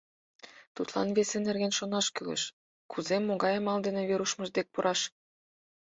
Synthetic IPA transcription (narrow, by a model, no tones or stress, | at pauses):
t̪ut̪lɑ̰nβesenerɣenʃonɑʃkylḛʃ | kʰuzemːoɣɑjəmɑld̪eneβeɾuʃməʒd̪ek̚puɾʔɑʃ